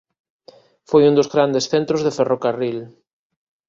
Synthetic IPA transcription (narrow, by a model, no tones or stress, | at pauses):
fojund̪ozɣɾand̪esθent̪ɾozðeferokaril